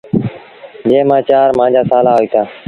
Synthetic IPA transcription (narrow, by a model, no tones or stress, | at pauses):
d͡ʒẽːmãːt͡ʃaːɾmãːd͡ʒaːsaːlaːɦoːiːt̪ʰaː